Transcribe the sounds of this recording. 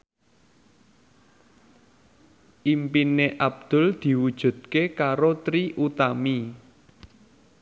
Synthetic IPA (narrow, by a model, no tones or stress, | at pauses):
ʔimpineʔab̚d̪̥ʊ̤ld̪̥i̤wud̥ʒ̥ṳd̪̚kekaɾot̪ɾiʔut̪ami